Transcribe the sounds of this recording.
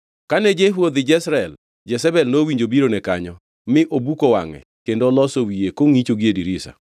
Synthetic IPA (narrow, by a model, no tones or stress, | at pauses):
kanɛd͡ʒeɦwod̪ɪd͡ʒɛsɾɛl | d͡ʒɛsɛbɛlnowiɲd͡ʒobiɾonɛkaɲɔ | mɪʔobukowa̰ŋɛ̰kendolɔsowiekoŋit͡ʃoɡiediɾisa̰